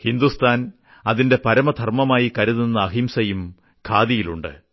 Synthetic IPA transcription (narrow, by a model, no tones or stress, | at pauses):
hind̪ust̪ʰaːn | ɐðinde̞pɐɾɐmɐd̪ʱɐrmɐmaːjikɐɾuðunːɐːɦimsɐjum | kʰaːðijiluɳɖɨ̰